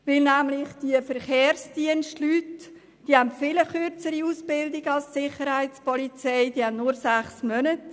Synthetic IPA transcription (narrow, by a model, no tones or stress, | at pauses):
ʋɪlnæmlɪχd̥iəfəɾχeːrsd̥iənʃtlyːt | d̥iːhæntfɪləχøɾt͡səɾiuːsb̥ɪldɪɡəɑlssɪχəɾhaɪspɔlit͡sɛɪd̥iːhannʊɾsæχsmœnət